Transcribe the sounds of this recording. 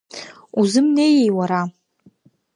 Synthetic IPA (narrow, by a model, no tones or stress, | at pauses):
uzɨmne̞jejwaɾa